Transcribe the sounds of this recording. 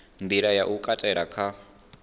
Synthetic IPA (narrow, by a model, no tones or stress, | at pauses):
nd̪iɾajaʔukʼatʼɛɺakʰa